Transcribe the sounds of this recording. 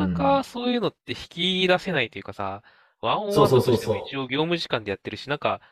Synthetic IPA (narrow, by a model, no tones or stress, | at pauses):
akaso̞ːjɯ̟ːno̞t̪ːe̞çi̥kʲid̪ase̞nait̪o̞jɯ̟kasa̰ | βãõoːsotot̪eoit͡ɕio̞ːɡʲo̞ːmɯ̟ʑi̥kãnd̪ejat̪ːe̞ɾɯ̟ɕinãŋka